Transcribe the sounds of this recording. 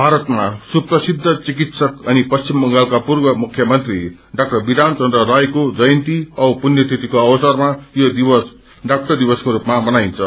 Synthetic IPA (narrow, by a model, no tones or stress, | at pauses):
bʱaɾʌt̪masuprʌsid̪ʱːʌt͡sikit̪sʌkʌnipʌst͡simːʌŋɡalkapurbʌmukʰjʌmʌnt̪ri | ɖak̚ʈʌrbid̪ʱant͡sʌnd̪rʌɾajkod͡zʌjnt̪iʌpunjʌt̪ʰit̪ikoʌbʌsʌrmajod̪ibʌs | ɖak̚ʈʌrd̪ibʌskoɾupmabʌnaint͡sʰʌ